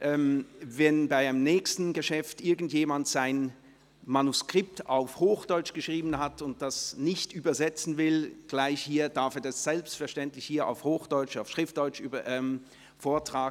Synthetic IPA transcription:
ʔɛːmvɛnbaɪaɪnəmnɛːçstn̩ɡəʃɛftʔɪɐɡn̩tjeːmantz̥aɪn | manuskʁ̥ɪp̚taʊfhoːxd̥ɔʏt͡ʃɡ̥əʃʁ̥iːbn̩ɦatʊnt̚d̥asnɪçtʔyːbɐzɛt͡sn̩vɪlɡ̥laɪçhiːɐd̥aɐfɛːɐdɛsz̥ɛlpstfɛɐʃtɛntlɪçhiːɐʔa̰ʊfhoːxd̥ɔʏt͡ʃaʊfʃʁ̥ɪftd̥ɔʏt͡ʃːɐʔɛm | foːɐtʁ̥aːɡ

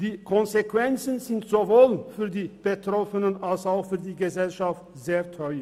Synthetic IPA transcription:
d̥iːkʰɔnzekv̥ɛnt͡sən̩zɪntz̥ovoːlfyːɐdiːb̥ətʁ̥ɔfənənalsaʊxfyːɐdiːɡəzɛlʃaft | z̥eːɐtʰɔʏə

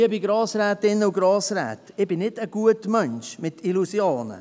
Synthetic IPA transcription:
əbiɡɾɑːsɾɛːt̪ɪnːəuɡɾɑːsɾɛ̰ːt̪ɪb̥ɪnɪdəɡ̥uətmœnʃmɪtilusjoːnə̰

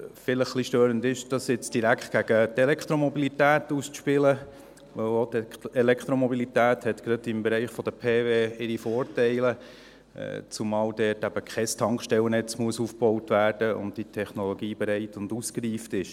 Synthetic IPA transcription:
fɪləχχliʃtøːɾəndɪʃd̥ɑsɪt͡sd̥iɾækχt̚ɡ̥æɡ̥ətɛlɛkχt̪ɾomɔbilitæːtust͡sʃpɪlə | ʋœwlotɛlɛkʰt̪ɾomɔbilitæːthɛtkɾɑdɪmbɛɾɛɪχfɔd̥əpʰeːveːɪɾifɔːɾtɛɪlə̰ | t͡sumɑːldɛːtæb̥əkʰχɛstʰɑŋkʃtɛlnɛt͡smuəsufb̥owtvæːɾd̥əʊ̰ndd̥itʰɛχnɔlɔɡiːbɛɾɛɪtʊnduskɾiːftɪʃ

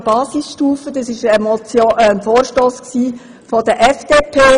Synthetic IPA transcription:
b̥ɑːsɪsʃtuːfədɑsɪʃɛmɔt͡sjoənfoːɾʃtoːsksiː | fɔdəʔɛfd̥eːpʰeː

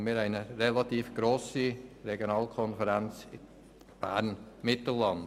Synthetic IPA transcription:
miːɾæɪnəɾelɑtiːfɡ̥ɾoːsiɾeɡjonɑːlkʰɔnfəɾænt͡sɪ | b̥æ̰ɾnmɪtəlɑnd

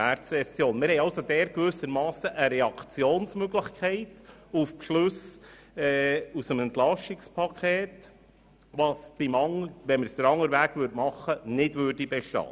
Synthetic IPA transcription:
æːɾtsɛsjoːnmɪɾhɛɪɑlsod̪ɛːɾkʋʏsəɾmɑːsəʔəɾɛɑkʰt͡sjoːnsmøɡlɪxkʰɛɪtufpʃlʉs | ɛːusəmɛntlɑʃɪkspʰɑkʰeːt | ʋɑːsb̥ɪmɑŋəʋɛnmɪɾsd̥̪əɾɑŋːəɾvʋæːɡ̥ʋʏɾtmɑχːənɪdʋøːrdibɛʃtɑ̰ː

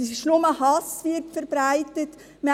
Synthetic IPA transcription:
sɪʃnʊməhɑsʋɪɾtfəɾbɾaɪtət | m

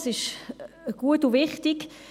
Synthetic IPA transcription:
sɪʃ | ɡ̥uətuvɪχtɪk

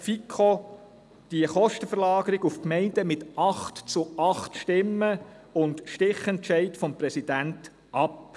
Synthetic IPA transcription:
fikʰːo | d̥iəχɔʃtəfəɾlɑːɡəɾiɡufkmɛɪndəmɪtɑχtt͡sʊɑχt̪ʃtɪmːə | ʊndʃtɪχɛntt͡ʃɛɪtfɔmpɾɛsid̥ænt | ʔɑp

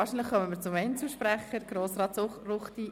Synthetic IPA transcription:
ɑːɾʃinləχœmənmɪːɾt͡sʊmɛɪnt͡suʃpɾæχəɾɡ̥ɾoːsrɑːtsʊχrʊχt̪i

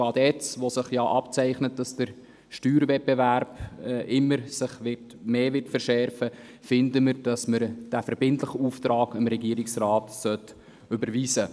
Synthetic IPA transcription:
ɑdɛt͡sʋosɪχjɑːʔɑpt͡sæɪχnət̚d̥ɑsd̥əɾ | ʃtyːɾvɛbeværbʔɪmːəɾsɪχʋɪrt | meːvɪtfəɾʃɛɾfəfɪndəməɾd̥ɑsməɾd̥æfɛɾbɪntlɪχəuːftɾɑːɡəmɾɛɡiəɾɪksrɑːtsœt | ʏbəɾviːsə

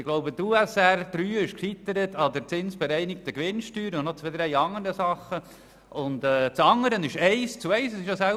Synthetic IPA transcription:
ɪɡ̥loʊbət̪uːɛsæɾd̥̪ɾyːɪʃkχit̪əɾət̪ɑd̪əɾt͡sɪnsb̥ɛɾɛɪnɪkt̪əkʋɪnʃtyːɾəʊnnot͡sʋɛd̪əɾɛjɑŋəɾəsɑχːə | ʊnd̪ɛːt͡sɑŋːəɾənɪʃɛɪst͡suɛɪsəsɪʃjosæl

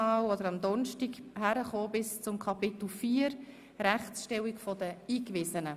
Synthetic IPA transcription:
ɑːwɔd̪əɾɑmd̪ɔnʃtiɡhæɾəχoːbɪst͡sʊmkʰɑpɪt̪l̩fiːəɾ | ɾæχt͡sʃtɛwikfɔd̥̪əiːkvɪzənə

